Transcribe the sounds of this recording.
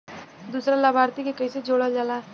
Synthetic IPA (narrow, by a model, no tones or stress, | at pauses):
d̪uːsɾalabʱaːɾt̪ikekɐɪsed͡ʒoːɽəd͡ʒaːlaː